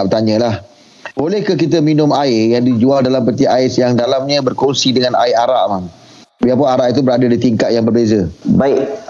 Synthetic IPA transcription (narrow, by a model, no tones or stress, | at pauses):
bət̪aɲə̃lah | bolɛhkəkit̪̬əminʊ̃maɪjaŋdid͡ʒualdalampət̪iaɪsjaŋdalamɲə̃bərkɔnsidəŋanaɪʔaɾaʔmaŋ | biap̬ʊnaɾaʔit̪̬ubəɾadadit̪iŋkat̪̚jaŋbərbezəbaɪʔ